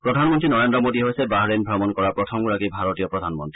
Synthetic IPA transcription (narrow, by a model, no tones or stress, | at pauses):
pɹɔd̪ʱanmɔnt̪ɹinɔɹendɾɔmodiɦojsɛbaɦɹenbʱɹabɔnkɔɹapɹɔt̪ʰɔmɡuɾakibʱaɹɔtijɔpɹɔdʱanmɔnt̪i